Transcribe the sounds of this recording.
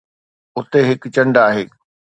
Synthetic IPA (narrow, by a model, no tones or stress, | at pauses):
ʊt̪eɦɪkt͡ɕɐ̃ɳɖaːɦeː